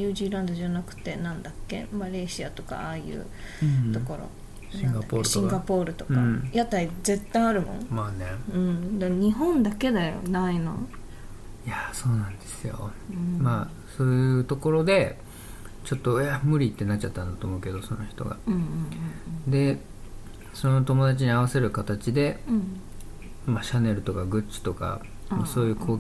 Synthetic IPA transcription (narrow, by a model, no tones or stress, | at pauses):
ɲɯːʑiːɾãnd̪oʑanakɯ̟̥t̪e̞nãnd̪akːe̞̰maɾe̞ɕiat̪o̞ka̰aːjɯ̰ː | t̪o̞ko̞ɾo̰ | aĩɡad̪apoɾɕĩŋɡapo̞ːɾɯ̟t̪o̞kãjat̪aize̞t̪ːãĩaɾɯ̟mõ̞̰ŋmaneɯ̟̃ɴd̪aɲ̟iɦõ̞nd̪ake̞d̪ajo̞̰naino̞̰ | ijaso̞ːnãnd̪e̞sɨjo̰ | ma | so̞ːjɯ̟t̪o̞ko̞ɾo̞d̪e̞ | t͡ɕo̞t̪ːo̞jamɯ̟ɾʲit̪ːe̞nat͡ɕt͡ɕat̪ːãnd̪at̪oːmo̞ɯ̟ke̞d̪o̞so̞̰no̞çʲi̥t̪o̞̰ɡa̰ɯ̃ | d̪e̞ | so̞no̞t̪o̞mo̞d̪at͡ɕiɲ̟iaβ̞ase̞ɾɯ̟kat̪at͡ɕid̪e̞ | maɕane̞ɾɯ̟t̪o̞kaɡɯ̟t͡ɕi̥t̪o̞ka̰ | maso̞ːjɯ̟kʰo̞ː